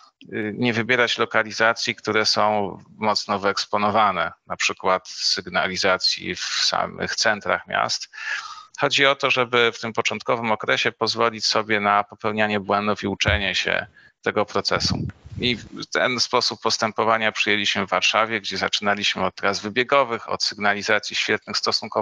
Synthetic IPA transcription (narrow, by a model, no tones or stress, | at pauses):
ɲɛvɘbʲjɛɾat͡ɕlɔkalʲizat̪sʲjikt̪uɾɛsɔ̃w̃mɔt̪snɔvɘɛkspɔnɔvanɛnapʂɘkwat̪sɘɡna̰lʲizat̪sʲjḭfsa̰mɘ̰xt̪sɛnt̪ɾa̰xmʲja̰st̪ | xɔd͡ʑiɔt̪ɔʐɛbɘft̪ɘmpɔt͡ʂɔnt̪kɔvɘmɔkɾɛɕɛpɔzvɔlʲit͡ɕsɔbʲjɛnapɔpɛwɲaɲɛbwɛnd̪ufiut͡ʂɛɲɛɕɛ̰ | t̪ɛɡɔpɾɔt̪sɛsṵit̪ɛ̰nspɔsupːɔst̪ɛmpɔvaɲapʂɘjɛlʲiɕmɘvːaɾʂavʲjɛɡd͡ʑɛzat͡ʂɘnalʲiɕmɘɔt̪̚ːɾazvɘbʲjɛɡɔvɘxɔ̰t̪sɘɡnalʲizat̪sʲjiɕfʲjɛt̪̚nɘxst̪ɔsunkɔ